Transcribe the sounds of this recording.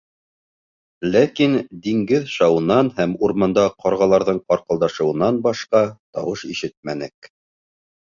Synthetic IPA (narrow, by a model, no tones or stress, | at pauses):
lækind̪iŋɡɘðʃɑwɤ̆nːɑnhæmuɾmɑnd̪ɑqʰɑɾʁɑlˠɑɾðɤɴqɑɾqɤ̆lˠd̪ɑʃɤ̆wɤ̆nːɑnbɑʃqɑt̪ɑ̰wɤʃiʃɘt̪̚mænɘk